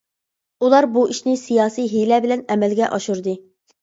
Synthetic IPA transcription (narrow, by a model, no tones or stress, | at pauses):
ulˠɑɾbuiʃnɪsijɑːsijɦelɛbɪlɛnɛmɛlɡʲɛʔɑʃuɾd̪ɨ